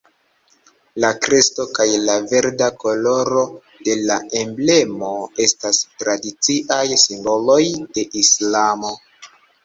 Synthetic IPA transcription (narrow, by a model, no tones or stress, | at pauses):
lakɾesto̞kajlave̞ɾdako̞lo̞ɾo̞ | de̞lae̞mble̞mo̞e̞stastɾadit͡siʔajsimbo̞lo̞jde̞ʔislamo̞